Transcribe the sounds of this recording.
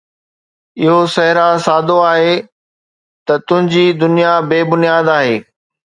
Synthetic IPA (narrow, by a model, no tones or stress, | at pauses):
ɪɦosɐɦɪɾasaːd̪ʱoaːɦe | t̪ɐt̪ʊ̃ɦɪ̃ɲd͡ʑiːd̪ʊnijabeːbʊnijaːd̪aːɦeː